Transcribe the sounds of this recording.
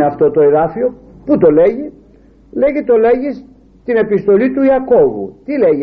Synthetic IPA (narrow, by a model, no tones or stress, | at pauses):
ɐft̪o̞t̪o̞e̞ðɐfio̞ | put̪o̞le̞ʝi | le̞ʝit̪o̞le̞ʝis | t̪ine̞pist̪o̞lit̪uiɐko̞vṵt̪ileʝi